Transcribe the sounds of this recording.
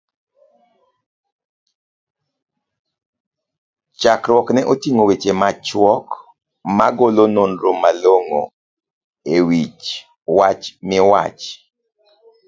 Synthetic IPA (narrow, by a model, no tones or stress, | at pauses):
t͡ʃakɾwɔknɛʔotiŋowet͡ʃemat͡ʃwɔk | maɡolononɾomaloŋo̰ | ewit͡ʃ | wat͡ʃmɪwa̰t͡ʃ